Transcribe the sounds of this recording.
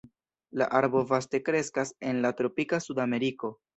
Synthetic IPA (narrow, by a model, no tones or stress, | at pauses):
la̰ʔaɾbo̞vaste̞kɾe̞skase̞nlatɾo̞pikasudame̞ɾiko̞